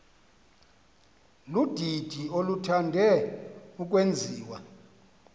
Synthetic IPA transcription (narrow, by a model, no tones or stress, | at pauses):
lud̥ʱid̥ʱiolutʰandʱɛuk̬ʼwend͡zʱiːwa̰